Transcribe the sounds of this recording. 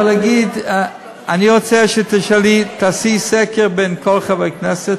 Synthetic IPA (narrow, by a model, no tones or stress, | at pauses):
laɡid̪ | aniʁot͡sɛʃet̪eʃalit̪asisɛkeʁbenkʰolχavaknɛset